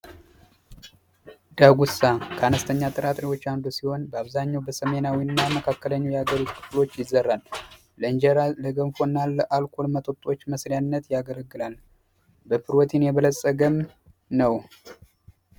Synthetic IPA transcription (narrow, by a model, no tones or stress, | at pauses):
d̪̥aɡusakʰəanəst̪ʰəɲːat̪ʼɨɾat̪ʼɾiwo̞t͡ʃːand̪usiho̞nbəaβzaɲːawbəsəme̞nawinːaməkʰakːələɲːujɛhaɡəɾut̪kʰɨ̥flo̞t͡ʃːjɪzːərːalː | əɨnd͡ʒəɾaləɡəmfonːalːəʔalkʷʰo̞lmət̪ʼot̪ʼo̞t͡ʃːməsɾijanːət̪jaɡələɡːɨlal | bəpʰɨɾot̪ʰinjɛβələsʼəɡəm | nəw